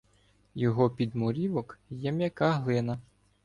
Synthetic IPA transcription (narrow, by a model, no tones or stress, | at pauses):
jɔɦɔpʲid̪mɔɾʲiʋɔkjɛmʲjɐkɑɦlˠɪnɐ